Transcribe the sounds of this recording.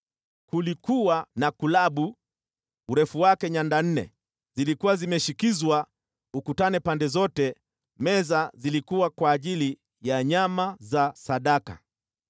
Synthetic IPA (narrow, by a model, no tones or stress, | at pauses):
kulikuwanakulaɓu | uɾɛfuwakɛɲandan̩nɛ̰ | zilikuwazimɛʃikizwa | ukutanɛpandɛzɔtɛ | mɛzazilikuwakwaːʄili | jaɲamazasaɗaka̰